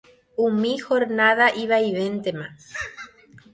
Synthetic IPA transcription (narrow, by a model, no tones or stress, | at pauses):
umĩxoɾnaðaʔiβajβent̪ema